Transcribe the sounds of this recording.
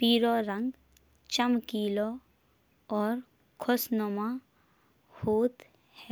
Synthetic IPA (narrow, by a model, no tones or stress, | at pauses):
piːɾɔːɾə̃ŋɡ | t͡ʃəmkiːlo | ɔːɾ | kʰosnomã | hoːt̪ | hɛː